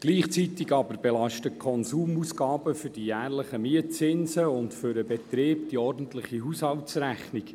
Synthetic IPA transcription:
ɡ̥liːχt͡sit̪iɡɑbəɾbɛlɑʃtəkʰɔnsuːmuːsɡɑːbəfʏdijæːrləχəmiət͡sɪnszəʊntfʏɾəbɛt̪ɾeːp̚d̥iɔrdn̩tlɪχiɦushɑltsræχnik

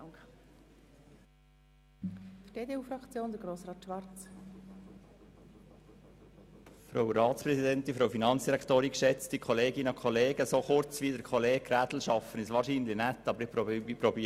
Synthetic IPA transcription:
fd̥eːdeːuːfɾɑkt͡sjoːnd̪əɡɾoːsɾɑːt̪ʃʋɑɾt͡s | fɾoʊwɾɑːt͡spɾɛsidɛntinfɾoʊfinɑnt͡ssd̥iɾɛkt̪oːɾikʃɛt͡stikʰɔleːɡɪnəɔkʰɔleːɡəsoːχʊɾt͡svʋiːdəɾkʰɔleːɡɾæːdl̩ʃɑfənɪsʋɑːɾʃiːnlɪnɛt̪ːɑbəɾɪpɾopɾɔbiː

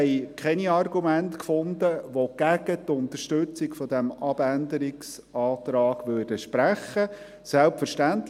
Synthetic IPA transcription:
ɛɪkχɛniɑrɡumæntkfʊnd̪əʋoɡ̥æɡ̥ət̪ʊnt̪əɾʃtɵt͡sɪkfɔd̪ɛmɑbænd̪əɾɪks | ɑːt̪ɾɑːɡ̥ʋøːrd̥əʃpɾæχːə | sɛlpfəɾʃtænt

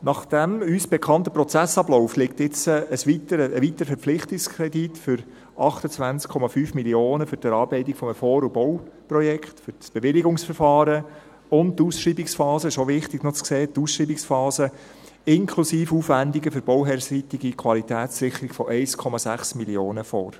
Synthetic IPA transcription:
nɑχd̥æmysb̥ɛkʰχɑnt̪əpɾɔt͡sæsɑblɔʊflɪk̚tɪt͡səəsʋit̪əɾəəʋit̪əɾəfɛɾp͡flɪχtɪkskʰɾɛditfʏɾ | ʔɑχtət͡sʋænt͡skʰɔmɑfyːfmilioːnəfʏɾtɛɾɑːɾbɛɪtikfɔməfɔːɾubɔwprɔjɛkχtfʏɾsb̥eʋɪliɡʊŋsfɛɾfɑːɾə | ʊnttːuːsʃɾiːbiksfɑːsəɪʃoʋɪχtɪɡnɔt͡skseːtuːsʃɾiːbiksfɑːsə | ɪŋkʰlusiːfuːfʋændiɡəfʏɾb̥ɔwɦɛɾsitiɡikʰʋɑlitæːsɾɪχəɾiɡ̥fɔʔɛɪskʰɔmɑsæχsmilioːnəfɔ̰ːɾ

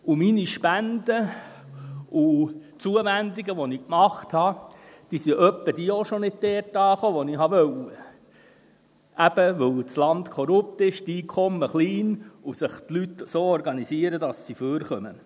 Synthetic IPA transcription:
uminiʃpændə | u | t͡suəʋændiɡəʋɔnikmɑχthɑd̥iːsiʔœpːəd̥iːoʃonɪd̚tɛːɾtɑːχoːʋɔniɦɑʋœwə | ʔæb̥əʋɵwt͡slɑnt̪kʰɔɾʊp̚t̪ɪʃtiːkʰɔmːəχliːnusəχt̪lyt̪soːɔɾɡɑnisiəɾədɑsːiføːɾχœmə̰

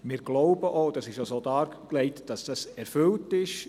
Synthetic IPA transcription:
mɪːɾɡ̥loʊbəʔoːd̥ɑsɪʃjosoːdɑːkleɪtd̥ɑsd̥ɑsɛɾfʏltɪʃ

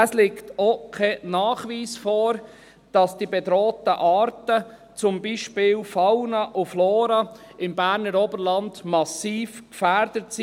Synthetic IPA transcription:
ɛslɪktokʰɛnɑːχʋiːsfɔːɾ | d̥ɑsd̥ibedɾoːtəʔɑːɾtə | t͡sʊmbiʃpɪːlfawnɑʔʊfloːɾɑ | ɪmbæːɾnəɾɔbəɾlɑndmɑsiːfkfæɾdətsi

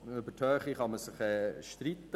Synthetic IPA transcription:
ʏbətʰhœːχiχɑməsɪχɛːʃtɾit̪ːə

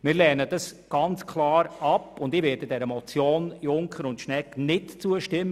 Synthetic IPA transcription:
mɪːɾlɛːnəd̥ɑsɡ̥ɑnt͡skʰlˠɑːɾɑpːʊndɪːʋɛd̥ədɛɾəmɔt͡sjoːnjʊŋkχəɾʊntʃnɛknɪtt͡suəʃtɪmːə

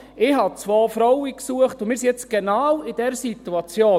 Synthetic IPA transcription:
ɪːhɦɑt͡sʋoːfɾɔwiksuəχtʊmɪːɾs̬ijɛt͡sɡ̥enɑːwid̥ɛɾsituɑt͡sjoː

